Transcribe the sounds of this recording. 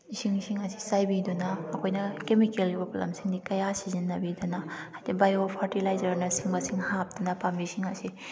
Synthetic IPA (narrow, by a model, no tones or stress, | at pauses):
isiŋsiŋɐsi̥sajbidunɐːkʰojnɐkemikelibɐpolɐ̰msiŋdikɐjasizinːɐbidunɐhajdibajopʰaɾtilajzɐɾnɐsiŋbɐsiŋhap̚dunɐpambisiŋɐsi